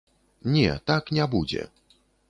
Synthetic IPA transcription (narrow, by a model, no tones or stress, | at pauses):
ɲɛ̰t̪akɲʲabud͡ʑɛ̰